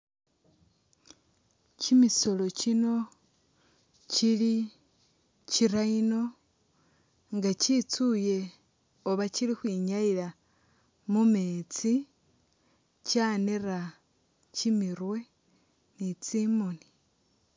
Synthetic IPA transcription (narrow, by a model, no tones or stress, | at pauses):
cimiso̞lo̞cino̞ | cili | ciɾaino̞ | ŋɡacit͡suje̞ | oβacilixwiːɲaiɾa | mumet͡si | caːnera | cimiɾwe̞ | nit͡simoni̥